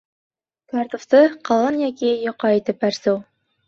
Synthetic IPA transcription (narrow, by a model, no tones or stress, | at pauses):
kɑɾt̪ŏft̪ɤqɑlˠɤnjɑkʲijŏqɑit̪ɘpæɾsuw